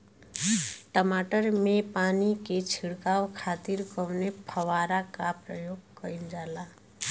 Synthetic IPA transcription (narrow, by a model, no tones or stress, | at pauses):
ʈəmaʈəɾmepaniket͡ʃʰiɽkawkʰat̪iɾkəwnepʰəwaɾakapɾəjoɡkəind͡ʒala